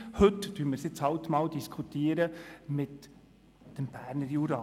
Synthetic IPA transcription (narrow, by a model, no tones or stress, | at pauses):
hɵtd̥yːməɾsjɪt͡shɑwt̪mɑːwd̪iskʰut̪iːəɾəmɪt | d̥əmb̥æːɾnəɾjuɾɑː